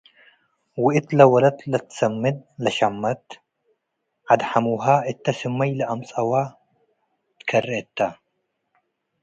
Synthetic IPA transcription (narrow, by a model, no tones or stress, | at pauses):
wɪʔɪt̪lɐwɐlɐt̪lɐt̪sɐmːɨd̪̚lɐʃamːɐt̪ | ʕad̪ħamuɦaɪt̪ːɐsɨmːɐjlɐʔɐmt͡sʼɐwa | t̪kʰɐrːɐʔt̪ːa